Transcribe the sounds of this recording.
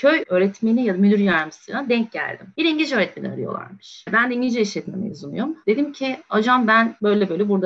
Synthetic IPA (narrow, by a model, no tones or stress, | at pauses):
cʰøjøːɾɛt̪menijad̪amyd̪yɾjæɾmisḭnad̪ɛɲc̚ɟæ̰lʲd̪ḭmbiɾiɲɟid͡ʒø̞ːɾɛt̪menḭa̰ɾḭjo̞̰lˠa̰ɾmɯ̥ʃbænd̪ɛiɲɟid͡ʒɛiʃlʲɛt̪mḛmḛyzunujomd̪e̞d̪imcʰɪad͡ʒambænbø̞jlʲɛbø̞jlʲɛbuɾd̪a